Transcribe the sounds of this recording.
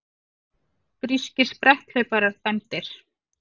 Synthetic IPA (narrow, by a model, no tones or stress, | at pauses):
pɾiscɪɾ̥spɾɛht̪œɥpaɾaɾ̥θajmt̪ɪɾ̥